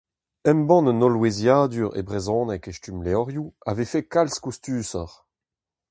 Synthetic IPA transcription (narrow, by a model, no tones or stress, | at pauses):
ɛmbɑ̃nnɔlwezjaːd̪yːʁḛbʁezɔ̃ːnɛkeʃtymleɔʁjua̰vefekalskust̪yːsɔ̰ʁ